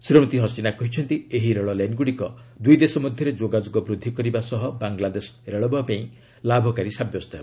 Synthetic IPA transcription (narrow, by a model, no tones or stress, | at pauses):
sɾɔmit̪iɦɔst͡ʃinakɔɦit͡ʃʰɔnt̪ieɦiɾeɭɔlajnɡuɽikɔd̪ujd̪esɔmɔd̪ʱjɔɾed͡ʒoɡad͡ʒuɡɔbɾud̪ʱːikɔɾibasɔɦɔbaŋlad̪esɔ̥ɾeɭɔbapaĩ | labʱɔkaɾisabjɔst̪ɔɦebɔ